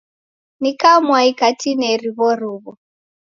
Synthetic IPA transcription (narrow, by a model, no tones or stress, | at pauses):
nikamwaikatinɛɾiβɔɾuβɔ